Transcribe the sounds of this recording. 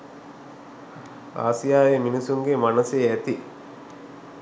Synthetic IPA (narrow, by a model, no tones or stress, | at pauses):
a̰ːsijaːjeminisuŋɡemanəsejæt̪i